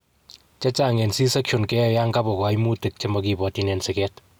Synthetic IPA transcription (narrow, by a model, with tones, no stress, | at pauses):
t͡ʃɛ˦t͡ʃa˦˨ŋɛ˨nsi˦sɛ˦kʃo˨nkɛ˦ja˦ŋɡa˦pɔ˨kwa˨jmu˦te˨k̚t͡ʃe˦mɔki˨bɔ˨ti˨nɛ˨nsɪ˨kɛ˦t